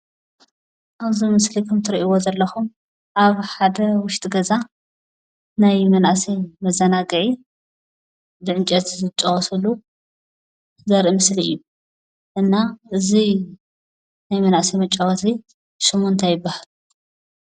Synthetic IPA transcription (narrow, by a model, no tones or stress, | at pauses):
ʔaβzimɨslikʰɐmt̪ʰɨɾiʔiwozɐlːɐxum | ʔaβħad̪ɐwʊʃt̪ʼiɡɐza | najmɐnʔsimɐzːɐnaɡɨʕi | d̪ɨʕɨnt͡ʃʼɐt̪zɨt͡ʃʼːɐwɔsɐlu | zɐɾʔimɨsliɨ̰jːu | ʔɨnːaɨzi | najmɐnʔasimɐt͡ʃʼːɐwɐsi | ʃɨmont̪ʰajɪbːahalu